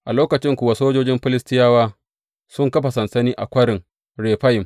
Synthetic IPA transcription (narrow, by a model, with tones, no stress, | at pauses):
ʔa˨loː˦kɐ˨t͡ʃɪ˦ŋkʷʊ˨wa˨soː˦d͡ʒoː˦d͡ʒɪ˦mɸɪ˦lɪ˦stɪ˦jaː˦waː˦ | sʊ˦ŋkɐ˦ɸa˨sɐ˨nsɐ˦niː˦ʔa̰˨kʷɐ˦ɽɪ˨ŋ | ɽeː˨ɸa˦jɪ˨m